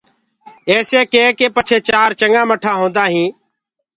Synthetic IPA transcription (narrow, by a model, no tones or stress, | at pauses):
eːseːkeːkeːpət͡ʃʰeːt͡ʃaːɾt͡ʃəŋɡãːməʈʰaːɦõːnd̪aːɦĩː